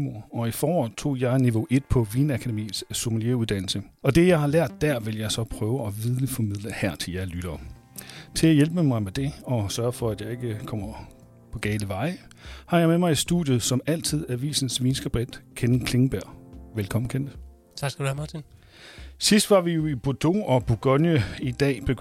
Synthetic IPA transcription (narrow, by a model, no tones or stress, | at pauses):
mo̝ɐ̰ɒ̽ifɒːʋɒðˠt͡sʰo̝̰ːjɑ̈ɪniʋo̝ʔe̝d̥pʰɒ̽ʋiːnækʰæd̥emḭːsso̝məljeuð̞ˠd̥æn̰l̩səɒ̽d̥e̝jɑ̈ɪhɑ̈læɐ̰d̥ːæɐ̰ʋe̝ljɑ̈ɪsɒ̽pʰʁœːʊəɒʋiðˠləfɒmiðˠləhæɐt͡sʰe̝ljæɐlyɾ̥ɐː | t͡sʰe̝æjelb̥əmɑ̈ɪmed̥e̝ɒ̽sɶɐfɒ̽æd̥jɑ̈ɪe̝ɡ̥əkʰɒ̽m̰ɐ | pʰɒ̽ɡ̥ɛːləʋɑ̈ɪhɑ̈jɑ̈ɪmemɑ̈ɪe̥sd̥ṵðˠjʊð̩ˠsɒ̽mæl̰t͡sʰið̞̰ˠæʋḭːsn̩sʋiːnsɡ̥ʁæb̥ʁid̥kʰennkʰle̝ŋb̥æɐ̰ʋelkʰɒ̽m̰n̩kʰenə | t͡sʰɑsdum | sisd̥ʋɑ̈ʋijo̝ib̥od̥o̝̰ɒ̽b̥uɡ̥ɒnjəid̥ɛ̰ːb̥eɡ